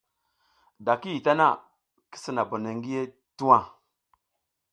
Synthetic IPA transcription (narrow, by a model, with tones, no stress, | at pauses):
da˨ki˦ji˨ta˦na˦˨ | ki̥˦si˨na˨bo˨ne˨ŋ˦ɡi˦je˦ | tu˦wa˦˨